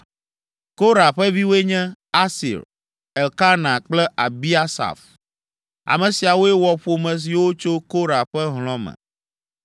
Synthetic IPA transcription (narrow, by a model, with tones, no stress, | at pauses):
ko˦ɾa˨ɸɛ˦vi˦wo˦e˦ɲɛ̃˦a˦sḭ˨ɾ | ɛ˨lka˦nã˨k͡plɛ˦ʔa˨bi˦a˦sa̰˨f | a̰˨mɛ̃˨si˨a˨wo˦e˦wɔ˦ɸo˨mɛ̃˨s̬i˨wo˦t͡ʃo˦ko˦ɾa˨ɸɛ˦ɦlɔ̃˦mɛ̰̃˨